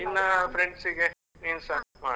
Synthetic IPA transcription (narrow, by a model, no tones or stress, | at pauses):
inːɐpʰɾeɳɖsiɡe | niːnsɐma̰ː